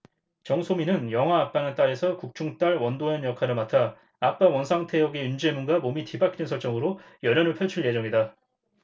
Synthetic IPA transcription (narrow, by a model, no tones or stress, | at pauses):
t͡ɕʌŋsʰominɯnjʌŋɦwaːp͈anɯnt͈aɾe̞sʰʌkuk̚t͡ɕʰuŋt͈aɭwʌndoʌnjʌkʰaɾɯɭmatʰaː | p͈awʌnsʰaŋtʰe̞jʌɡe̞und͡ʑemunɡamomitibakʰinɯnsʰʌɭt͡ɕ͈ʌŋɯɾojʌɾjʌnɯɭpʰʌɭt͡ɕʰuɭje̞d͡ʑʌŋida